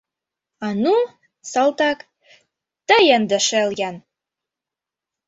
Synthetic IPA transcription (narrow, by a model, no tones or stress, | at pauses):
ɑnu | sɑlˠt̪ɑk | t̪əjənd̪ə̆ʃeljæn